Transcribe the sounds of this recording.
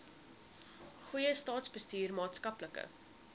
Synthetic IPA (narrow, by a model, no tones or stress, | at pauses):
χujəstɑːtsbəstyːrmɑːtskɐpləkə̰